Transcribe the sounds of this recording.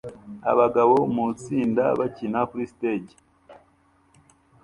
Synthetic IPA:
a̰βaɡaβo̞mut͡siːnda̰βacinakuɾisteɟe

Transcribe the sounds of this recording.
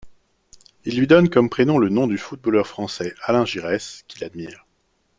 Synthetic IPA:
ilːɥid̪ɔnkɔmpχenɔ̃lənɔ̃d̪yfut̪̚bɔlœʁfχɑ̃sɛalɛ̃ʒiʁɛskʲila̰d̪miːʁ

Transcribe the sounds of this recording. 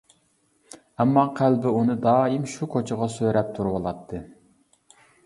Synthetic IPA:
ɛmːɑqʰælbɪunɨd̪ɑːimʃukʰot͡ʃʰəʁɑsøɾɛp̚t̪ʰuɾwɑlˠɑt̪ʰːɨ

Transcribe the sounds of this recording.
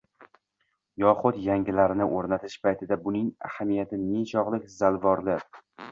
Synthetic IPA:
jɒχʊdt̪jaŋɡʲɪlaɾɪnɪʔoɾnat̪ʰɪʃpʰajt̪ʰɪd̪abʊnɪŋa̰hamijat̪ʰɪneʃɒʁlˠɪkʲzalvɒɾlɪ

